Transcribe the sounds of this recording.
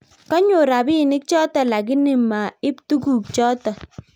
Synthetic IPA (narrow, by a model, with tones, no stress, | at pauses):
kɔ˦ɲo˨ɾa˨bi˦˨ni˦kt͡ʃɔ˦tɔ˦˨la˨ɡi˦ni˦˨ma˨i˦ptu˦ɡu˦˨kt͡ʃɔ˦tɔ˨